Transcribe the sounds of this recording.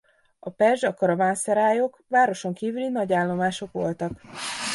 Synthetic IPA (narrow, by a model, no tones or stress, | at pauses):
ɒpɛrʒɒkɒɾɒvaːnsɛɾaːjokʋaːɾo̞ʃo̞ŋkiːvylinɒɟaːlːo̞maːʃo̞kʋo̞̰lt̪ɒk